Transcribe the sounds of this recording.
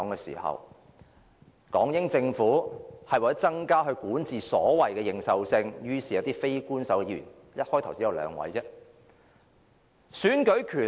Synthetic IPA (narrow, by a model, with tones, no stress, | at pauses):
ŋɛ˧sḭː˨˩hɐ̰˨w | kɔ̰ː˨˥ŋjɪ˥ŋt͡sɪ˧ŋfuː˨˥hɐ˨jwaː˨t͡sɐ˥t͡sɐ˥ŋkaː˥ɦɵ˧ɥkuː˨˥nt͡siː˨sɔː˨˥wɐ˨jkɛː˧jɪ˨˩ŋsɐ˨wsɪ˧ŋjyː˥siː˨jɐ˨˧wt̪iː˥fe˥jkuː˥nsɐ˨˥wkɛː˧jy̰ː˨˩n | jɐ˥t̚hɔː˥jt̪ʰɐ˨˩wsiː˨˥jɐ˨˧wlœ̰ː˨˧ŋwɐ̰˨˥jt͡sɛː˥ | syː˨˥nkɵ˨˥ɥkʰyː˨˩